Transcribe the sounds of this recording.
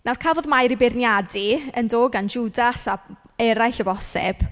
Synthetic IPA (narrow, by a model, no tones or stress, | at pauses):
nawrkʰavɔðmajɾibɪrnjadiəndoːɡand͡ʒudasa | ɛɾajɬɔvɔsɛ̰b̥